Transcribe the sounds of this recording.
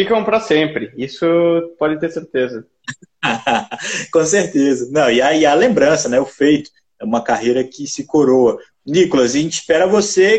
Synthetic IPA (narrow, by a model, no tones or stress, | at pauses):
fikɐ̃w̃pɾɐsẽpɾɪisʊpɔd͡ʒɪt̪eɾseɾt̪ezɐ | kõseɾt̪ezɐnɐ̃w̃ɪaiɐlẽmbɾɐ̃sɐnɛʊfejt̪ʊ̥ | ɛũmɐkaɦejɾɐkɪsɪkoɾoɐ | nikolɐz̬ɐʒẽnt͡ʃɪ̥spɛɾɐvose